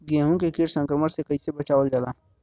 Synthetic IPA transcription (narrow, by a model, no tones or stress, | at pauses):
ɡẽːɦũkekɪɾsə̃ŋkɾəməɾsekɐɦisebɐt͡ʃaːʋəld͡ʒaːlaː